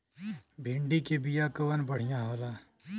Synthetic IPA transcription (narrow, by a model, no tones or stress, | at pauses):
bʱɪ̃ɳɖikebijakəʋənbəɽ̤ijãɦoːlaː